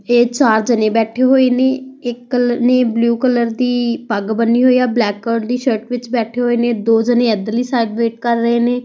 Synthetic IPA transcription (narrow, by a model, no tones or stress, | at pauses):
eːt͡ʃaːɾd͡ʒəneːbɛːʈʰeːɦoːeːnẽːɪkːəlneːbluːkələɾd̪iːpəɡbənːiːɦoːiːaːblɛːkːəːɖd̪iːʃəɾʈʋɪt͡ʃbɛːʈʰeːɦoːeːnẽːd̪oːd͡ʒənẽːɛd̪əliːsaːɪɖʋeːʈ̚kəɾːəɦeːnẽː